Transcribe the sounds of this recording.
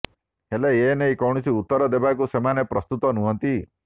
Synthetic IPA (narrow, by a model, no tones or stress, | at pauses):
ɦeleenejkɔwɽ̃ɔsiut̪ːɔɾɔd̪ebakusemanepɾɔst̪ut̪ɔnuɦɔnt̪i